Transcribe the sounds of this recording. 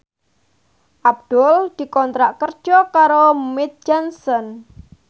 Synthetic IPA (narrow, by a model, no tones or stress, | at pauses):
ʔab̚d̪̥ɔld̪̥i̤kɔnt̪ɾaʔkər̥ʒ̥ɔkaɾomɪt̪̚d͡ʒansɔn